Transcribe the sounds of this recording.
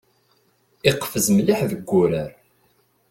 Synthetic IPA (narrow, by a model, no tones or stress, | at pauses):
ɪqfəzmliħðəɡʷːʊɾæɾ